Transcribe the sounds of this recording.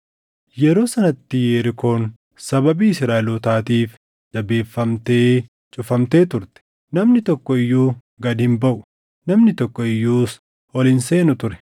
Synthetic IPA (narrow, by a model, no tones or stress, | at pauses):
jɛɾo̞ːsɐnɐt̪ːɪjeːɾɪkʰo̞ːn | sɐbɐbiːɪsɾaːʔɪluːt̪aːt̪iːf | d̪̥ɐbe̞ːfːɐmt̪e̞ː | t͡ʃʼʊfɐmt̪e̞ːt̪ʊɾt̪ɛ̥ | nɐmnɪt̪ɔkːɔɪjːuː | ɡɐd̪hɪmbɐʔʊ̥ | nɐmnɪt̪ɔkːɔɪjːuːs | ɔlɪnse̞ːnʊt̪ʊɾɛ̥